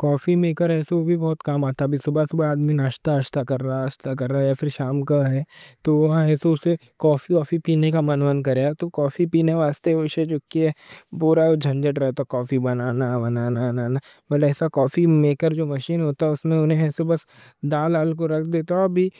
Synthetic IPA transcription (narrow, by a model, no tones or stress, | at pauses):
kɔːfimeːkəɾɦɛːseʋobʱibɔːt̪kaːmaːt̪abʱisobɐsbaːd̪minaːʃt̪aɐʃt̪akɐɾːaɐʃt̪ak̬ɐɾːaɦjafʰɪɾʃaːmkaɦɛːt̪oʋɐɦɛːseʊse | kɔːfikɔːfipiːnekamɐnʋənk̬ɐɾeat̪okɔːfipiːneʋaːst̪eʋɪʃet͡ʃʊkːiɦɛpuːɾad͡ʒʱɐ̃nd͡ʒəʈɾɛɦt̪akɔːfibɐnaːnabɐnaːnaːnaːna | bɐɡɛːsakɔːfimeːkəɾd͡ʒoːmɐʃiːnɦoːt̪aɦɛʊsmẽʊnɦẽɛːsebɐs | d̪aːlaːlk̬oɾɐkʰd̪eːt̪aɔbʱi